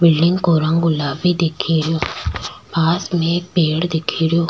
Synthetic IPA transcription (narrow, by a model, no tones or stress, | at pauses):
bɪlɖɪŋɡkoːɾãŋɡʊlaːbid̪ekʰːiɾɪjoːbaːsmẽk̚peːɽd̪ekʰiːɾɪjoː